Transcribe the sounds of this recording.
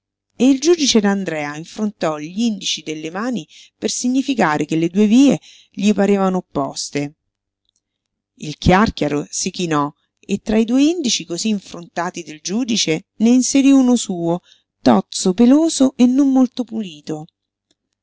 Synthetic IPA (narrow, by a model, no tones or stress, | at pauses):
eild͡ʒuːd̪it͡ʃed̪and̪ɾɛːaiɱfɾont̪ɔʎind̪it͡ʃid̪elːemaːni | persiɲːifikaːɾekelːed̪uːeviːe | ʎipaɾeːvanoːpːɔ̰st̪e | ilkʰjarkjaɾosikinɔ | et̪ːɾaid̪uːeind̪it͡ʃikoziːɱfɾont̪aːt̪id̪eld͡ʒuːd̪it͡ʃe | neinseɾiunosuːo | t̪ɔt̪sopeloːzoʔenːomːolt̪opuliːt̪o